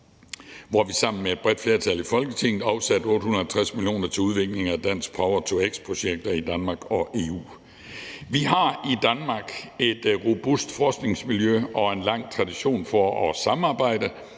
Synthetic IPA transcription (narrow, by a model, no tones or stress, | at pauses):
ʋɒʋisɑ̈m̰n̩mee̝d̥̚b̥ʁɛd̥fle̝ɐt͡sʰælifɒ̽lɡ̥ət͡sʰe̝ŋ̰ð̩ˠɑ̈ʊsæd̥ɔ̽ːd̥hunɐælt͡sʰʁasmiljo̝̰ːnɐt͡sʰe̝uð̞ˠʋe̝ɡ̥le̝ŋæd̥æn̰sɡ̥̚pʰɑ̈ʊɐt͡sʰoeɡ̥spʰʁo̝ɕeɡ̥̚d̥ɐid̥ænmɑ̈ːɡ̥ɒ̽ʔe̝ːṵː | ʋiɦɑ̈id̥ænmɑ̈ɡ̥e̝d̥ʁo̝b̥usd̥fɒːsɡ̥ne̝ŋsmiljøɒ̽e̝nlɑ̈ŋ̰t͡sʰʁɑ̈d̥iɕo̝̰ːnfɒɒsɑ̈mɑ̈ːb̥ɑ̈ɪ̰d̥ə